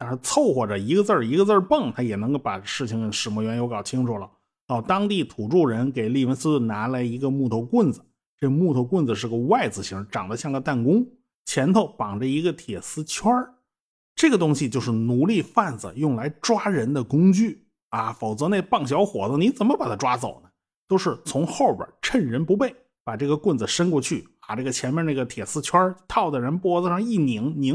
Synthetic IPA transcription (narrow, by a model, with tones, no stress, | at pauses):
t̪a˥˧nʂɻ̩˥˧t͡sʰo˥˧ʊxwɔ˥˩ʈ͡ʂə˩i˧˥ɡə˧t͡sə˞˥˩i˧˥ɡə˧t͡sə˞˥˧pɤ˥˩ŋt̪ʰa˥jɛ˨˩nɤ˧˥ŋko˥˩ʊpa˨˩ʂɻ̩˥˩t͡ɕʰi˧˩ŋkə˧˩nʂɻ̩˨˩mɔ˧˥˩ɥɛ˧˥njo˧˥kɑ˨˩ʊt͡ɕʰi˥ŋʈ͡ʂʰu˨˩lə˩ | t̪ɑ˥˩ʊt̪ɑ˥ŋt̪i˥˩t̪ʰu˨˩ʈ͡ʂu˥˩ɻə˧˥nke˨˩ɪli˥˩wə˧˥nsɹ̩˥˩na˧˥la˧˥ɪi˧˥ɡə˧mu˥˩t̪ʰo˧˥ʊkwə˥˩nd͡zɹ̩˨˩ | ʈ͡ʂɤ˥˩ɡə˧˩mu˥˧˩t̪ʰo˧˥ʊkwə˥˩nd͡z̩˩ʂ̬ɻ̩˥˩ɡə˧˩wa˥˩ɪd͡zɹ̩˨˩ɕi˧˥ŋ˧ʈ͡ʂɑ˨˩ŋd̪ə˦ɕjɑ˥˧ŋɡə˧t̪a˥˩nkʊ˥ŋ | t͡ɕʰjɛ˧˥nt̪ʰo˧˩ʊpɑ˨˩ŋʈ͡ʂə˧i˧˥ɡə˧t̪ʰjɛ˨˩sɹ̩˥t͡ɕʰjwɐ˥ | ʈ͡ʂɤ˥˩ɡə˩t̪̬ʊ˥ŋɕi˨˧t͡ɕjo˥˧ʊʂɻ̩˥˩nu˧˥li˥˧fa˥˩nd͡z̩̰˩jʊ˥˩ŋla˧˥ɪʈ͡ʂwa˥ɻə˧˥nd̪ə˧kʊ˥ŋt͡ɕy˥˩ | a˧fo˨˩ʊt͡sɤ˧˥ne˥˧ɪpɑ˥˩ŋɕjɑ˧˥ʊxwɔ̰˨˩d͡zə˧ni˧˥t͡sə˨˩nmə˧pa˨˩t̪ʰa˥˧ʈ͡ʂwa˥t͡so˨˩ʊnə˦ | t̪o˥ʊʂɻ̩˥˩t͡sʰʊ˧˥ŋxo˥˩ʊpjə̰˞˨˩ʈ͡ʂʰə˥˩nɻə˧˥npu˧˥p̬e˥˩ɪ | pa˨˩ʈ͡ʂɤ˥˩ɡə˩kwə˥˩nd͡zɹ̩˩ʂə˥nkwɔ˥˧t͡ɕʰy˥˩pa˨˩ʈ͡ʂɤ˥˩ɡə˩t͡ɕʰjɛ˧˥nmjɛ˥˧nə˥˩ɡə˩t̪ʰjɛ˨˩sɹ̩˥t͡ɕʰwɐ˥t̪ʰɑ˥˩ʊd̪ə˩ɻə˧˥npwɔ˥ə˧ʂɑ˥˧ŋi˥˩ni˧˥ŋni˧˥